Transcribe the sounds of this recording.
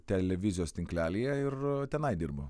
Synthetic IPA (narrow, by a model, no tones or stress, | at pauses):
t̪ʲɛlʲɛʋʲɪzʲɪjoːst̪ʲɪŋklʲæːlʲiːjɛɪrt̪ʲɛnɐɪd̪ʲɪrbɐ̰